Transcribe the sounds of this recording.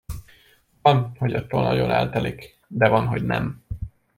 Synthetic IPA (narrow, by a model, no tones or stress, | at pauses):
vɒnho̞ɟɒt̪ːoːlnɒ̰ɟo̞nɛ̰lt̪ɛlik | d̪ɛvɒnɦo̞ɟnɛ̰m